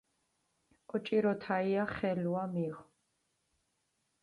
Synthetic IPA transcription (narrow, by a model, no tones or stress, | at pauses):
ɔt͡ʃʼiɾɔt̪ʰaiaχɛluamiʁ